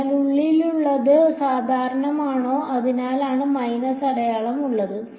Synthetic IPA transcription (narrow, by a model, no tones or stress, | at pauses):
luɭːiluɭːɐðɨsaːd̪ʱaːɾɐɳɐmaːɳo̞ːʔɐðinaːlaːɳɨmɐjnɐsɐɽɐjaːɭɐmuɭːɐðɨ